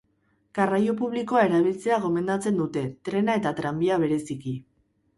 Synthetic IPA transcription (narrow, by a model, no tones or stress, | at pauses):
ɡ̥arajo̞puβliko̞ae̞ɾaβilt͡se̞aɣ̞o̞me̞nd̪at͡se̞nd̪ut̪e̞t̪ɾe̞nae̞t̪at̪ɾambiaβ̞e̞ɾe̞siki